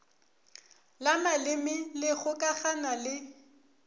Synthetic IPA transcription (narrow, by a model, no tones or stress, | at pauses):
lamalɪmɪlɪɣʊkʼaχanalɪ